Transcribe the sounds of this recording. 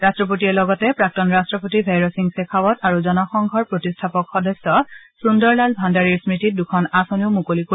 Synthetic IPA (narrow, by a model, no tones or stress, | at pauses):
ɹastɹɔpotiɛlɔɡɔtɛpɹak̚tɔnɹastɹɔpotibʱajɹɔsiŋsekʰawɔtaɹuzɔnɔxɔŋɡʱɔɹpɹotistʰapɔkxɔdɔsɔsundɔɹlalbʱandaɹiɹsmɹitit̚dukʰɔnasɔniʊmukoliko